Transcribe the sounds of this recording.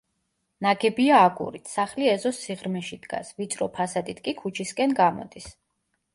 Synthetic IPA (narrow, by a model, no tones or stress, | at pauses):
naɡɛbiaːɡʼṵɾit̪ʰsaχliɛzɔsiʁɾmɛʃid̪̥ɡa̰svit̪sʼɾɔpʰasad̪it̪ʰkʼikʰut͡ʃʰiskʼɛnɡamɔ̰d̪is